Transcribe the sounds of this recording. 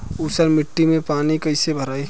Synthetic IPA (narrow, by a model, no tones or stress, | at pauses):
usəɾmɪʈːimẽpaːnikəɪsebʱəɾaːi